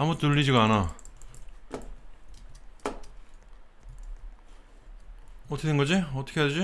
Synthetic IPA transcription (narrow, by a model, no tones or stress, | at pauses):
amutuʎːid͡ʑiɡaana | ʌtʰkeɯnŋɡʌd͡ʑiʌt͈ʰʌ̥kʰeaded͡ʑi